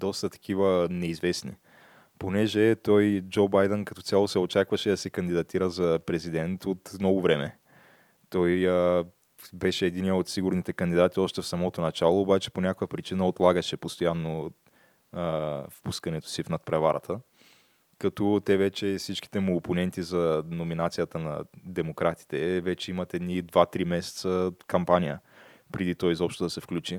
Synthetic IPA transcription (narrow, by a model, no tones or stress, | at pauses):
d̪ɔst̪ət̪ɐ̥k̟ivənɛizvɛsnḭ | ponɛʒɛt̪ɔjd͡ʒobajd̪ɛnkɐt̪ɔt̪sʲalˠosɛot͡ʃakvɐʃɛd̪ɐsɛkɐnd̪id̪ɐt̪iɾəzɐpɾɛzid̪ɛnt̪ot̪mnɔɡʊvɾɛmɛ | t̪ɔjə | bɛʃɛːd̪iniɛot̪siɡʊɾnit̪ɛkɐnd̪id̪at̪iɔʃt̪ɛfsɐmɔt̪onɐt͡ʃalˠoːbat͡ʃɛ̥ponʲakʊjəpɾit͡ʃinəot̪lˠaɡəʃɛpost̪ojanːo | fpuskɐnɛt̪o̥sifnɐt̪̚pɾɛvaɾʔə̰t̪ʰə | kɐt̪ɔt̪ɛvɛt͡ʃɛfsit͡ʃki̥t̪ɛmuoponɛnt̪izɐnominat̪sijət̪ənɐ̰d̪ɛmokɾat̪i̥t̪ɛvɛt͡ʃɛimɐt̪ɛd̪nid̪vat̪ɾimɛsɛ̥t̪səkɐmpanʲijəpɾɛd̪it̪ɔjzɔpʃt̪od̪ɐsɛfklʲut͡ʃi